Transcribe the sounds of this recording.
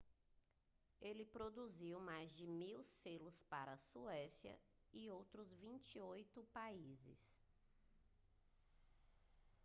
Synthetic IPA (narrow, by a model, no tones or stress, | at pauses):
elɪpɾod̪uziwmajzd͡ʒɪmiwselʊspaɾɐsuɛsiɐ̰ | ɪowt̪ɾʊzvĩnt͡ʃiojt̪ʊpaizɪ̰s